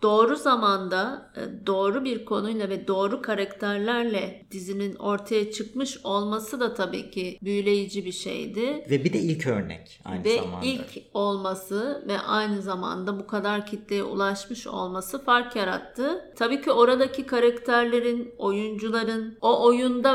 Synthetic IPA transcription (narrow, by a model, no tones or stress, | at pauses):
d̪̥o̞ːɾuzamand̪ad̪o̞ːɾubiɾkʰo̞nujlˠavɛd̪o̞ːɾukʰaɾact̪ʰæɾlʲæɾlʲɛd̪̥izinino̞ɾt̪ʰajat͡ʃʰɯkmɯʃo̞lˠmasɯd̪at̪ʰabḭːcʰibyjlʲe̞jid͡ʒibiʃḛjd̪ɪvɛbid̪ɛilʲcʰø̰ɾnɛ̰c | a̰jnvɛilʲcʰo̞lˠmasɯvɛ̰ʔajnɯzama̰nd̪abukʰad̪aɾcʰit̪lʲejɛ̰ṵlˠaʃmɯʃo̞̰lˠmasɯfaɾkjaɾa̰t̪ʰːɯt̪ʰabiːcio̞ɾad̪acʰikʰaɾact̪ʰæɾlʲe̞ɾino̞jund͡ʒulˠaɾɯno̞ʔojund̪a